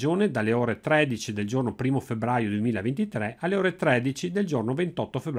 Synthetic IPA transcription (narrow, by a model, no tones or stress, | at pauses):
d͡ʒoːned̪alːeoːɾet̪ɾɛd̪it͡ʃid̪eld͡ʒornopɾiːmofebɾajod̪uemiːlaevent̪it̪ɾɛalːeoːɾet̪ɾɛd̪it͡ʃid̪eld͡ʒornovent̪ɔt̪ːofebː